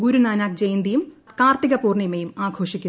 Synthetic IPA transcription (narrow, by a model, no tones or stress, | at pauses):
ɡuɾunaːnaːk̚d͡ʑejnd̪ijumkaːrt̪iɣɐpuːrɳijmejumaːɡʰʱo̞ːʂikʲːu